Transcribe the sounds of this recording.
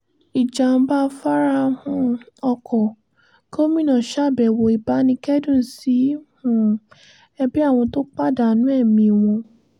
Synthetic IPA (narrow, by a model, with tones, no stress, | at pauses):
i˨d͡ʒa˨n̩˧˦ba˦fa˦ɾa˦hũ˦˧ | ɔ˧kʰɔ˨ | ko˦mĩ˦nã˨ʃa˦˨bɛ˨wo˨i˨ba˨˦nĩ˧kɛ˦dũ˦˨si˨˦hũ˦˨ | ɛ˧bi˦a˦˨w̃ɔ̃˧to˦k͡pa˦˨da˨nũ˦ɛ˦˨mĩ˧˨w̃ɔ̃˧